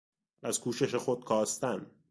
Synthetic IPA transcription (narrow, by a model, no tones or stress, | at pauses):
æzkʰuːʃe̞ʃexod̪̥̚kʰɒːst̪æn